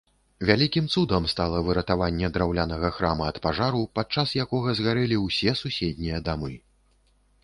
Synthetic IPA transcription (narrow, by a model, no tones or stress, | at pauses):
vʲalʲikʲimt̪sud̪ɐmst̪alˠɐvɨɾɐt̪avanʲːɛd̪ɾawlʲanɐɣɐxɾamɐːt̪paʐaɾupat̪̚t͡ʂasjakɔɣɐzɣaɾɛlʲiwsʲɛsusʲɛd̪̚ʲnʲijɐd̪amɨ